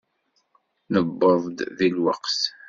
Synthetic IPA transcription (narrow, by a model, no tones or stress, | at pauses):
nəbːəðˤd̪ðilwɑ̰qs